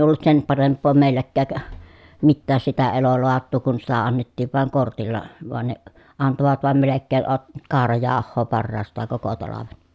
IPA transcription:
olːut sem pɑrempˑoː meˑilːækːæːk mitːæːs sitæ eloloɑtˑuː kun sitæ ɑnːetːiːʋ ʋɑˑeŋ kortilːɑ ʋoɑn ne ɑntoʋɑt ʋɑˑem melekːeː ʔot kɑːrɑjɑːhˑoː pɑrːɑːstˑɑːŋ koko tɑlɑʋen

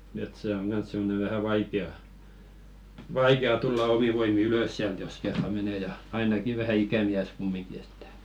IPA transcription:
et se oŋ ɡ̊ɑns simːone ʋæhæ ʋɑikeɑ ʋɑikeɑ tulːɑ omi ʋoimi yløs siælt jos kerːɑ mene jɑ ɑinɑki ʋæhæ ikæmiæs kumːiŋki etːæ̥

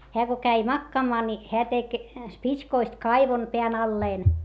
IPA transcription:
heæ ko kæi mɑkːɑːmɑː ni heæ tek spitskoist kɑiʋon peæn ɑlːeːn

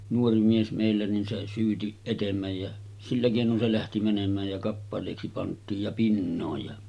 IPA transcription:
nuori mies meˑilːæ nin se syːti etemːæj jæ silːæ keˑinon se læhti mænemˑæːj jɑ kɑpːɑleˑiksi pɑntˑiːj jɑ pinːoːj jɑ

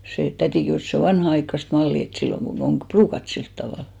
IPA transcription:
seˑ tætiˑ kehuˑs et se o ʋɑnhɑɑikːɑst mɑlːiˑ et silːoŋ ɡ̊un om b̥ruːkɑt silt tɑʋɑˑl

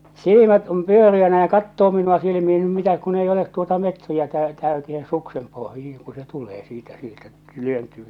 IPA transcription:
silimæt om pyøriænæ jɑ kɑtːoː minuɑ silimihi̥ no mitæk kun ei olet tuotɑ metriækæː tæytihe suksem pohjihiŋ ku se tuleː siːtæ sieltæ tyøntyː

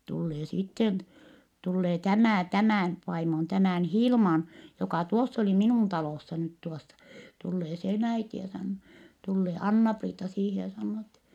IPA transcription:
tulːeː sitːen tulːeː tæmæˑ tæmæˑn ʋɑimon tæmæˑn hilmɑn jokɑˑ tuosː oli minuˑn tɑloˑsːɑ nyt tuosːɑ tulːeː sen æiti jɑ sɑnːoː tulːeː ɑnːɑpriːtɑ siːhe jɑ sɑnːoː etːɛ

